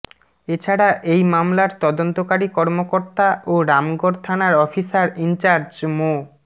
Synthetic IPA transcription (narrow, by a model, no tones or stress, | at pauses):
et͡ɕʰaɽaʔejmamlaɾt̪ɔd̪ont̪okaɾikɔɾmokoɾt̪aʔoɾamɡoɾt̪ʰanaɾɔfisaɾint͡ɕaɾd͡ʑmo